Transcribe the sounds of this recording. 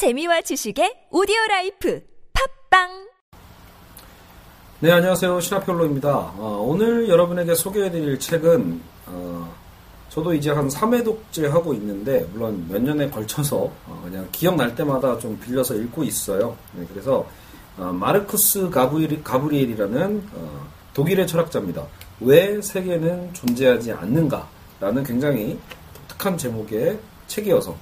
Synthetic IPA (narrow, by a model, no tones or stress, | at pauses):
t͡ɕe̞miwat͡ɕiɕʰiɡe̞odioɾaipʰɯpʰak̚p͈aŋ | ne̞aɲiwasʰejoɕʰinapʰjoɭːoimɲidaʌonɯɾjʌɾʌbɯne̞ɡe̞sʰoɡeɦedɯɾiɭt͡ɕʰe̞ɡɯn | ʌ | t͡ɕʌdoid͡ʑe̞ɦansʰame̞dok̚t͡ɕ͈eɦaɡoinːɯnde̞muɭːonmjʌɲːʌne̞kʌɭt͡ɕʰʌsʰʌ̰kɯɲaŋkijʌŋnaɭt͈e̞madat͡ɕompiʎːʌsʰʌiɭɡois͈ʌjojekɯɾe̞sʰʌː | maɾɯkʰɯs͈ɯɡabukabuɾiɾiɾanɯnʌ̰ | toɡiɾe̞t͡ɕʰʌɾak̚t͡ɕ͈amɲida̰we̞sʰe̞ɡe̞nɯnt͡ɕond͡ʑe̞ɦad͡ʑia̰nːɯnɡa̰ | ɾanɯnkwe̞ŋd͡ʑaŋɦito̥k̚tʰɯ̥kʰant͡ɕe̞moɡe̞ | t͡ɕʰe̞ɡiʌsʰʌ